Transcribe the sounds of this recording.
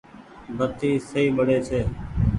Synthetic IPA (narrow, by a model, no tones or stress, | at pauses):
bət̪iːsəiːɓəɽeːt͡ʃʰeː